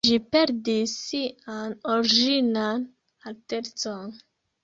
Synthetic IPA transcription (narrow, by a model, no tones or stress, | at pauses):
d͡ʒipe̞ɾdisːianoɾd͡ʒinan | ateɾt͡son